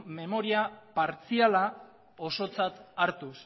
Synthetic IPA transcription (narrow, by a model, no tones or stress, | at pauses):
me̞mo̞ɾiapaɾt͡siala | o̞so̞t͡sat̪aɾt̪us